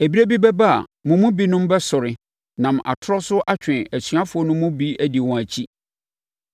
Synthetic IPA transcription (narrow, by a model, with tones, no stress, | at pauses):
e˨bi˦ɾe˦bi˦bɛ˦ba˦a̰˨mʊ̃˨mʊ̃˦bi˦nʊ̃˦m˦bɛ˦sʊ˨ɾɪ˨ | nã˨mʔa̰˨tʰʊ˦ɾɔ˦sʊ˦ʔa˦t͡ɕᶣɪ̃˨æ˨sɥa˦fʊ˨˦ɔ˦nʊ̃˦mːʊ̃˦bi˦æ˨di˨wɔ̃˨æ˨t͡ɕʰi˦